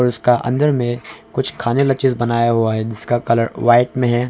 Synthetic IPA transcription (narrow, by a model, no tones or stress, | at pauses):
ɔːɾʊskaʔɐ̰̃nd̪əɾmẽkʊt͡ʃʰkʰaːnelɐt͡ʃɪzbɐnaːjaɦuaɦɛd͡ʒɪskakɐləɾʋaːɪʈmẽɦɛː